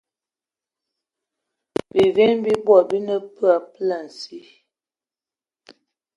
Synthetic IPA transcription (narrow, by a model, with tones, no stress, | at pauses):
bi˨vɛ˦nbi˦bwɔ˨bi˦nə˦pɰa˨pla˨n̩˨si˦